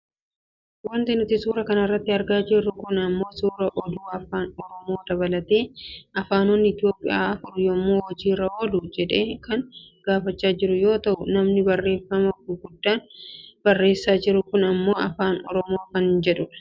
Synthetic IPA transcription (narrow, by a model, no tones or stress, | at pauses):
wɐnt̪ɪnʊt̪ɪsuːɾɐkɐnɐrːɐt̪ːɪɐɾɡaːd͡ʒɪɾːʊkʊnɐmːo̞ːsuːɾɐʔɔd̪uːɐfaːnɔɾɔmo̞ːd̪ɐβɐlɐt̪e̞ːɐfaːnonːɪɪt̪ɪjo̞ːpʼɪ̰jaːɐfʊɾjomoːwɐd͡ʒiːɾɐwɔlʊd͡ʒɛᶑe̞ːkɐŋɡ̥aːfɐt͡ʃːaːd͡ʒɪɾʊjo̞ːt̪ɐʔʊnɐmnɪbɐrːe̞ːfɐmɐkʊɡʊd̪ːaːnb̥ɐrːe̞ːsːaːd͡ʒɪɾʊkʊnɐmːo̞ːʔɐfaːnɔ̰ɾɔmo̞ːkɐnd͡ʒɛᶑʊ